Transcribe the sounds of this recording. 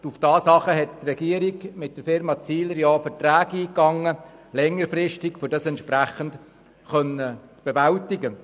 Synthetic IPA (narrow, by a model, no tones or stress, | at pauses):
ufd̥ɑːsɑχəɦɛttrɛɡ̥iəɾiɡmɪt̚d̥əɾfɪɾmɑt͡siːləɾjɑːfəɾtɾæːɡiːkɑŋːəlɛŋːəɾfrɪʃtɪkfʏɾdɑsɛntʃpɾæχənt | χœnət͡sb̥evæltɪɡə